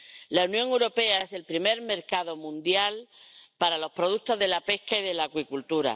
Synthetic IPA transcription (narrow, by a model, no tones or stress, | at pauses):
launjõŋewɾo̞pe̞ae̞se̞lpɾime̞ɾme̞ɾkaðo̞mũnd̪jalpaɾalo̞spɾo̞ð̞ut̪o̞zðe̞lape̞hkaiðe̞laːkwikult̪uɾa̰